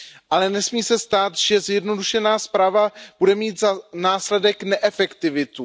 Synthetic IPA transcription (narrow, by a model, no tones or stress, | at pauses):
ʔalɛnɛsmiːsɛst̪aːt̪ʒ̥ɛzjɛdno̞duʃɛnaːspɾaːvab̥udɛmiːt̪zanaːslɛdɛknɛʔɛfɛkt̪ɪvɪt̪u